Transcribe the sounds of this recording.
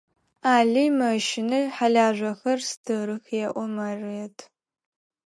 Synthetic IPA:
aːɮijmɐʃɪnɐħaɮaːʒʷɐxɐrstʰɨɾɨxjɛʔʷɔmɐrɨjɛtʰ

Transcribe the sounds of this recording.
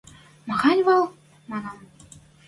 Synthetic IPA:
mɤ̆χɑnʲvɑlˠ | mɑnɑm

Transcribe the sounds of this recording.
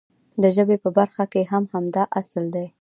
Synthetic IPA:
d̪əʒəbepəbaɾxakeɦamhamd̪ɑʔasəld̪aj

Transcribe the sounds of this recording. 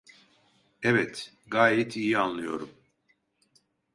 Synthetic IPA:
ɛvɛt̪ | ɡaːjɛt̪ʰijianlˠɯjo̞ɾum

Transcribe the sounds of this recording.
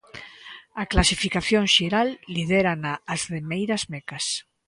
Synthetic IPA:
aklasifikaθjoŋʃeɾalːið̞eɾanaːzðemejɾazmekas

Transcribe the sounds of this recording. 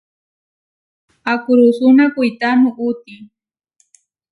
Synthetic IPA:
akʊɾʊsʊnakʊjt̪anʊʔʊt̪ɪ

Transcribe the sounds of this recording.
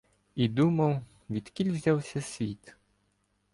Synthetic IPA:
id̪umɐw | ʋʲid̪̥kʲilʲwzʲawsʲɐsʲʋʲit̪

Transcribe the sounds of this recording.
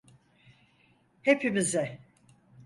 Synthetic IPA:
hepʰimizɛ

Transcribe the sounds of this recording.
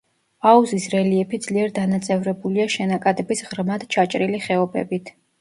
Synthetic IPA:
auzisɾɛliɛpʰid̪z̥liɛɾd̪anat̪sʼɛvɾɛbuliaʃɛnakʼad̪ɛbisʁɾmad̪̥t͡ʃʰat͡ʃʼɾiliχɛɔbɛ̰bit̪ʰ

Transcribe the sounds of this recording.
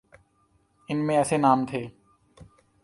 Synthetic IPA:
ɪnmẽɛːsenaːmt̪ʰeː

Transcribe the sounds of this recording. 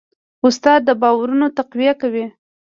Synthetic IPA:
ʊst̪ɑd̪̚ːəbɑwaɾunot̪aqwijakawi

